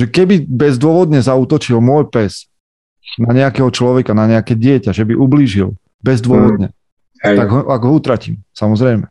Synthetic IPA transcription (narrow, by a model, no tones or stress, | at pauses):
ʒɛkɛbibɛzd̪ʊɔʋɔd̪̚ɲɛzauːt̪ɔt͡ʃilmʊɔjpɛz | naɲɛakɛːɦɔt͡ʃlɔʋɛkanaɲɛakɛːɟɪɛcaʒɛbiʔubliːʒil | bɛzd̪ʊɔʋɔd̪ɲɛ | t̪aɡɦɔaɡɦɔut̪ɾaciːmsamɔzɾɛjmɛ